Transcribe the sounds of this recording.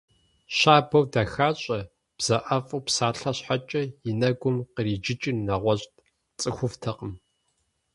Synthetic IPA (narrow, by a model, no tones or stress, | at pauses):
ɕaːbɐwdaxaːɕʼɐ | b̥z̥ɐʔɐfʼupsaːɬɐɕħat͡ʃʼɐjɪnɐɡʷʊmqəɾiːd͡ʒɪt͡ʃʼɪnːɐʁʷɔɕʼtʼ | t͡sʼɨxʷʊftʰɐqəm